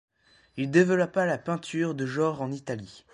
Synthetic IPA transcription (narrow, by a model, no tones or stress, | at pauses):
ild̪evəlɔpalapɛ̃t̪ʰyʁd̪əʒɔ̃ʁɑ̃nit̪ali